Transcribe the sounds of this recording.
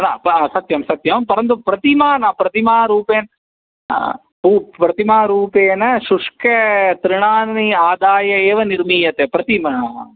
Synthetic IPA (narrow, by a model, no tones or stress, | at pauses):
na̰ːpsɐt̪jɐmsɐt̪jɐmpɐɾɐnt̪upɾɐt̪imaːnɐpɾɐt̪imaːɾuːpeːn | pupɾɐt̪imaːɾuːpeːnɐʃuʂkɐt̪ɾɪɳaːnniaːd̪aːjɐeːʋɐniɾmiːjɐt̪eːpɾɐt̪imɐɐ